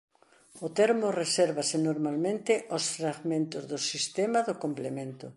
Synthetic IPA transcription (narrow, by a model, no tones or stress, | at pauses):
ʊt̪eɾmoreseɾβasɪnoɾmalmẽnt̪ɪʔosfɾaɣmẽnt̪ʊzðʊsist̪emaðʊkomplemẽnt̪ʊ